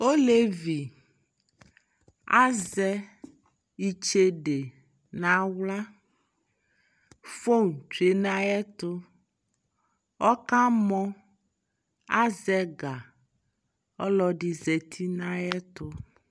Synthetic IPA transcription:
o˦le˦vi˨ | a˦zɛ˦ | i˦t͡ʃe˦ɖe˨ | nã˦wla˦ | fo˦ŋ˨t͡ʃe˨nã˦jɛ˦t̪o˦ | ɔ˦ka˦mɔ̃˦ | a˦zɛ˦ɡa˨ | ɔ˦lɔ˦ɖi˨zɛ˨t̪ʰi˦nã˦jɛ˦t̪o˦

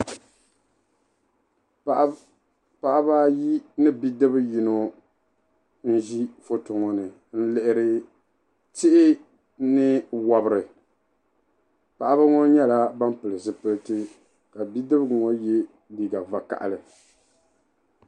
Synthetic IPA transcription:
pa˨ʔa˦ba˦ji˦nɨ˦bi˦dɨ˦bɨ˦ji˨no˨ | n̩˦ʒi˦fo˨to˨ŋo˨nɨ˨ | n̩˦lɛ˦˨ʔɪ˦ɾɨ˦ | tɪ˦ʔɪ˦ | nɨ˦wa˦bɨ˦ɾɨ˨ | pa˨ʔa˦ba˦ŋɔ˦ɲɛ˦la˦ba˦m˦pɨ˨lɨ˨zɨ˨pɨ˦ltɨ˦ | ka˨bi˦dɨ˦bɨ˦ɡŋo˦jɛ˦ | li˨ɡa˨va˨ka̰˨ʔa̰˨lɨ˨

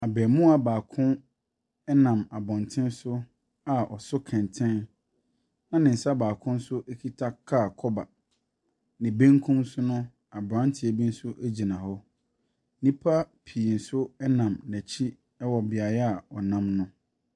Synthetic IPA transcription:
a˨bɛː˨mʊ̃˦a˨baː˨kʰʊ̃˦ | ɛ˦nã˨ma˨bɔ̃˨ntʰɪ̃˦n˦sʊ˦ | a˨ɔ̰˨sʊ˦kʰɛ̃˨ntʰɛ̃˦n | nã˨nɪ̃˨n̩˨sa˦baː˨kʰʊ̃˦n̩˦sʊ˦ʔæ˦kʰi˦tʰa˦kʰa˦˨kʰɔ˦ba˨ | nɪ̃˨bẽ˦ŋkʰũ˦msʊ˦nʊ̃˦ | a˨bɾã˦n˦tʰɪ˨æ˨bi˦n̩˦sʊ˦ʔæ˦d͡ʑi˨nã˨hɔ˦ | nĩ˦pʰa˦pʰi˨n̩˨sʊ˦ɛ˦nã˨mnæ˨t͡ɕʰi˦ | ɛ˦wɔ˨bɪ˨a˨jɛ˦a˨ɔ˨nã˦mnʊ̃˦

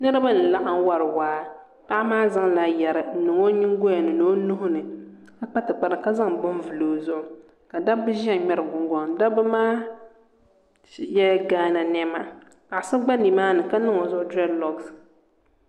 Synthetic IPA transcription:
nɨ˦ɾɨ˦ba˦n̩˨la˦ʔa˨ŋ˦wa˨ɾɨ˨waː˨˦ | pa˦ʔa˦maː˦za˦ŋla˨jɛ˨ɾɨ˨n̩˦nɨ˨ŋo˦ɲɪ˦ŋ˦ɡo˦a˨nɨ˨no˦nu˦ɦʊ˦nɨ˨ | ka˦k͡pa˦tɨ˨k͡pa˨ɾɨ˨ka˦za˦ŋbʊ˦nvɨ˨loː˨zʊ˦ʔʊ˨ | ka˨da˦bɨ˦ʒɛ˦˨ɲɛ˦ɾɨ˨ɡʊ˨ŋɡɔ˨ŋ˨˦da˦bɨ˦maː˦˨ | jɛ˦ɡaː˦na˨nɛ˦ma˨ | ka˨ʔsɨ˦ɡ͡ba˦ni˨maː˦nɨ˨ka˦nɨ˦ŋo˨zʊ˦ʔʊ˦dɾɛ˦dlɔ˨ɡs

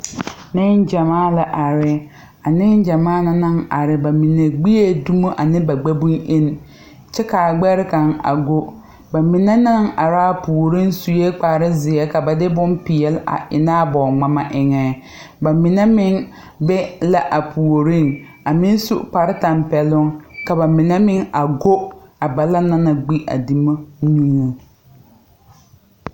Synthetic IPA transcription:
nɪ˦nd͡ʒa˨maː˦la˨ʔa˨ɾɪ˦ | a˨nɪ˦n˦d͡ʒa˨maː˦na˦na˦ŋa̰˨ɾɪ˨ba˨mi˨ne˨ɡ͡bi˦je˦du˦mo˦ʔa˨nɪ˦ba˨ɡ͡bɛ˦bu˦ne˦n | t͡ʃɛ˦ka˨ɡ͡bɛ˦ɾɪ˦ka˨ŋa̰˨ɡo˦ | ba˨mi˨ne˦na˦ŋa˨ɾaː˦˨pu˨o˨ɾi˦nsu˨je˦k͡pa˨ɾɪ˦zɪ˨ɛ˦ka˨ba˨dɪ˦bʊ˦npɪ˨jɛ˨la̰˨ʔɪ˨naː˦bɔ˨ŋ͡ma˨ma˦ʔɪ˨ŋɛ˨ | ba˨mɪ˨nɛ˦mɪ˦ŋ | bɛ˦la˦ʔa˨pʰu˨o˨ɾi˦ŋ | a˨mɪ˦n˦sʊ̰˦k͡pa˨ɾɪ˦ta˨mpɛ˨lʊ˦ŋka˨ba˨mɪ˨nɛ˦mɪ˦ŋa˨ɡo˦a˨ba˨la˦na˦na˨ɡ͡bi˦ʔa̰˨di˨ma˦nuː˦ŋo˨

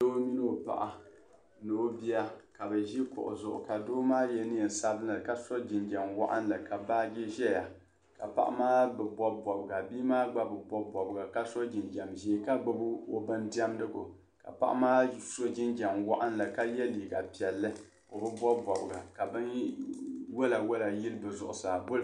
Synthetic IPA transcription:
do˦mi˦n˦o˨pa̰˨ʔa˨ | noː˦bi˦a˦ka˨bɛ˨ʒi˦kʊ̰˨ʔʊ̰˨zʊ˨ʔʊ̰˨ka˨doː˦maː˦jɛ˦nɨ˦˨n̩˨sa˦bnɨ˨ka˦so˦d͡ʒɪ˨nd͡ʒa˨mwa˦ʔa̰˦nlɨ˨ka˨baː˦ɡe˦ʒɛ˦ja˨ | ka̰˨pa̰˨ʔa̰˦maː˦bɨ˨bɔ˦bɔ˨bɨ˨ɡa˨biː˦maː˦ɡ͡ba˦bɨ˨bɔ˦bɔ˨bɨ˨ɡa˨ka˦so˦d͡ʒɪ˨nd͡ʒa˨mʒi˦ka˦ɡ͡bɨ˦bɨ˦o˦bɨ˦ndi˦a˦mdɨ˦ɡʊ̰˨ | ka̰˨pa̰˦ʔa̰˦maː˦so˦d͡ʒɪ˦nd͡ʒa˨mwa˦ʔa˦nla˨ka˦jɛ˦liː˨ɡa˨pi˨ɛ˨lːɨ˦ | o˨bɨ˦bɔ˦bɔ˨bɨ˨ɡa˨ka˨bɨ˦n | wo˦la˨wo˦la˨ji˦lbɨ˨zʊ˨ʔʊ˨saː˨bo˦l

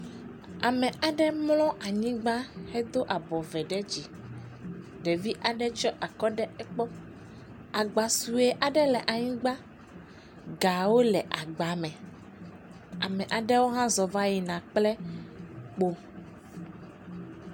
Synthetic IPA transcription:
a˨mɛ̃˨ʔa˨ɖɛ˦mlɔ̃˦ʔa˨ɲĩ˦ɡ͡ba˦hɛ˦d̪o˦ʔa˨bɔ˨vɛ˨ɖɛ˦d͡ʑi˨ | ɖɛ˨vi˦ʔa˨ɖɛ˦t͡ʃɔ˦ʔa˨kɔ˦ɖɛ˦ɛ˦k͡pɔ˦ | a˨ɡ͡ba˨su˨e˦ʔa˨ɖɛ˦lɛ˨ʔa˨ɲĩ˦ɡ͡ba˦ | ɡa˨wo˦lɛ˨ʔa˨ɡ͡ba˨mɛ̃˨ | a˨mɛ̃˨ʔa˨ɖɛ˦wo˦ɦã˦zɔ˨va˦ji˨nã˨k͡plɛ˦ | k͡po˦

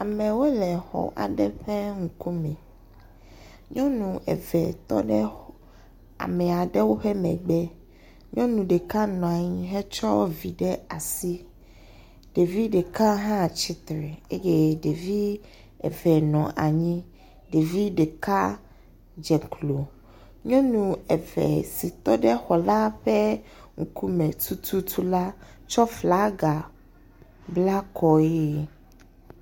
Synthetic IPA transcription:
a˨mɛ̃˨wo˦lɛ˨xɔ̰˨ʔa̰˨ɖɛ˦ɸɛ˦ŋu˨ku˦mɛ̃˨ | ɲɔ̃˦nũ˨ɛ̰˨vɛ˨t̪ɔ̰˦ɖɛ˦ | a̰˨mɛ˨a˨ɖɛ˦wo˦ɸɛ˦mɛ̰̃˨ɡ͡bɛ˦ | ɲɔ̃˦nũ˨ɖe˨ka˦nɔ̃˨a˨ɲĩ˦ɦɛ˦t͡ʃɔ˦vi˨ɖɛ˦a˨si˦ | ɖ̥e˨vi˦ɖe˨ka˦ɦã˦˨t͡ɕi˦t̪ɾɛ˨e˦je˦ɖe˨vi˦ | ɛ̰˨vɛ˨nɔ̃˨ʔa˨ɲĩ˦ | ɖe˨vi˦ɖe˨ka˦ | d͡ʒɛ˨klo˨ | ɲɔ̃˦nũ˨ɛ˨vɛ̰˨si˨t̪ɔ˦ɖɛ˦xɔ˨la˦ɸɛ˦ŋ̩˨ku˦mɛ˨t̪ʰu˦t̪ʰu˦t̪ʰu˦la˦t͡ʃɔ˦fla˦ɡa˨ | bla˦kʰɔ˨je˦

